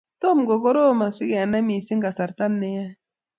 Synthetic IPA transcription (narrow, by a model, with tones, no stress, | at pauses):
to˦˨m˨ɡo˨ɡɔ˦ɾo˦˨ma˨si˦ɡɛ˨a˨na˦mi˨si˦ŋɡa˨sa˨ɾta˦nːɛ˦ja˦